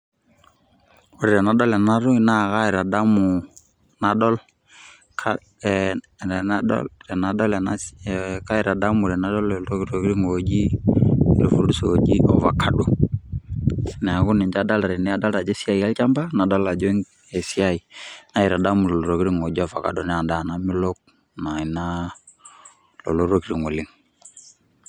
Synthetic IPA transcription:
u˨ɾɛ˨ɾɛ˨na˨dɔ˦lɛ˨na˦ɾu˦na˦ka˦ɪ˨ɾa˨da˦mu˨ | na˨dɔ˦l | kʰ | ɛ˨na˦ɔ̰˦ɾɛ˨na˨dɔ˦lɛ˨naka˦i˨ɾa˨da˦mu˨ɾɛ˨na˦dɔ˦lɛ˨lɾo˦ɾo˨ɡi˦ɾi˦ŋo˨d͡ʒi˦˨ | lo˨fṵ˨ɾdu˦so˨o˨d͡ʒi˦ʔɔ̰˨va̰˨kʰa˨ɗu˨ | nɛ˨a˨ɡu˦ni˨ɲd͡ʒa˦da˦la˨ɾɛ˨nɛ˦a˦da˦la˨d͡ʒɛ˦si˦a˦i˨a˦lt͡ʃa˦mba˦na˨da˦la˨d͡ʒɔ˦ŋ | e˨si˦a˦˨i˨na˦i˨ɾa˨da˦mu˨lɛ˨lɔ˨ɾo˨ki˦ɾi˦ŋo˨d͡ʒi˦ɔ˦˨fa̰˨ka̰˨dɔ˨nɛ˦a˨nda˦˨na˦mi˦lɔ˦k̚ | na˨i˨na˦ | lɔ̰˨lo˦ɾo˦ki˦ɾi˨ŋo˨li˦ŋ

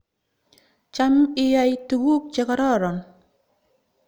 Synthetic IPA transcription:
t͡ʃa˦mi˦ja˦jtu˨ɡu˦k̚t͡ʃe˨ka˨ɾɔ˦˨ɾɔ˨n

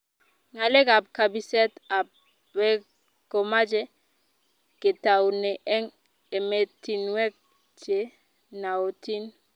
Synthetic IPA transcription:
ŋa˨le˦ɡa˨p̚ka˨bi˦sɛ˦ta˨b̚ | wɛ˦ | ɡ̥o˨ma˦d͡ʒɛ˦ | ke˨ta˨wnɛ˨ʔɛ˦ŋ | e˨me˨ti˨nwɛ˦k̚ | t͡ʃe˨ | na˨o˨tʰi˦n

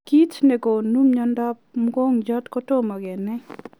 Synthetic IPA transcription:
ki˦t͡ʃnɛ˨ɡo˨nu˦mɲɔ˦nda˦pmɡɔ˦ŋd͡ʒɔ˦t̪kɔ˦to˦ma˨ɡɛ˨nɛ˦

